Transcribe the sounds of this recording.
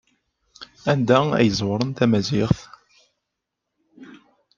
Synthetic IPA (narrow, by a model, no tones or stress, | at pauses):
ænd̪ææ̰jəzˤwəɾˤənt̪æmæzɪʁθ